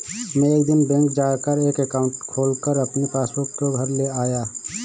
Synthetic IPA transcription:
mɛ̃eːkd̪ɪnbɛ̃ːŋkd͡ʒaːkəɾeːkekaːʊɳʈkʰoːlkəɾɐpnipʰaːsbʊkːoɡʱɐɾleaːjaː

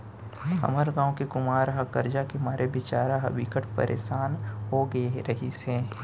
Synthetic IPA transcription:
ɦɐ̰məɾɡãːõkekʊmaːɾɦakəɾd͡ʒakemaːɾʔebɪt͡ʃaːɾaɦaʋɪkəʈʰpə̰ɾʔḛːʃaːnɦoɡɾɐɦisẽː

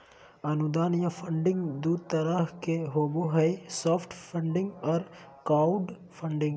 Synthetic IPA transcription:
ɐnʊd̪aːnjafʰə̃ɳɖɪ̃ŋɡd̪uːd̪̚t̪ɐɾəɦkeɦoːboɦɛesɔːpʰʈʰpʰə̃ɳɖɪ̃ŋɡɔːɾkaːʊɖ | pʰəɳɖɪ̃ŋɡ

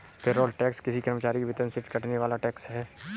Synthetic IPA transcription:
pʰeɾɔːlʈɛːkskɪsikɐɾmət͡ʃaːɾikebɪt̪ənsɪʈkɐʈʰneʋaːlaʈɛːksɦɛː

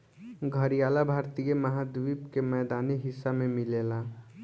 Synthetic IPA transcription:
ɡʱəɾijalabʱaɾt̪ijeməɦad̪ʋipkemɛːd̪aniɦisːamemilela

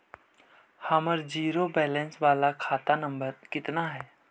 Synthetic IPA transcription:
həməɾd͡ʒiːɾobɛːlɛ̃nsʋaːlakʰaːt̪anə̃mbəɾkɪt̪naɦɛː

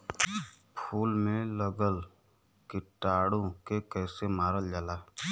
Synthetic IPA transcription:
pʰuːlmẽləɡəl | kɪʈaːɽõkekɛːsemaːɾəld͡ʒaːlaː

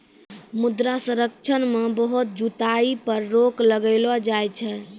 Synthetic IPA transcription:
mud̪ɾasə̃ɾək̚t͡ʃʰənmebəɦut̪̚d͡ʒut̪aipəɾːokləɡəlɔd͡ʒajt͡ʃʰɛ

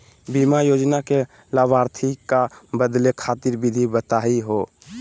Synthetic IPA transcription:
bimajoːd͡ʒnake | laʋaːɾt̪ʰikabəd̪lekʰaːt̪iɾbid̪ʱibət̪aiɦo

